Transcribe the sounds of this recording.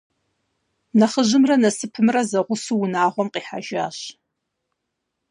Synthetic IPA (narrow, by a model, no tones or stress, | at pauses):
nɐχəʑɨmrɐnɐsɨpʰɨmrɐzɐʁʷʊsuwʊnaːʁʷɔmqiːħa̰ʒa̰ːɕ